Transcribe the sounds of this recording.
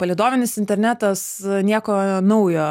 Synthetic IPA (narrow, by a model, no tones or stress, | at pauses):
pɐlʲiɪd̪oːmʲɪnʲɪsɪnʲt̪ʲɛɾʲnʲæːt̪ɐs | nʲiɛkoːnɐʊjoː